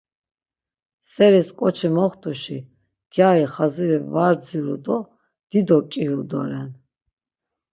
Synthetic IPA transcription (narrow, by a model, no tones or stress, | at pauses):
sɛɾiskʼɔt͡ʃʰimɔχt̪ʰʼuʃi | ɡ̥jaiχaziɾɛvaɾd͡ziɾṵd̪ɔ | d̪̥id̪ɔkʼiɦuld̪ɔ̰ɾɛn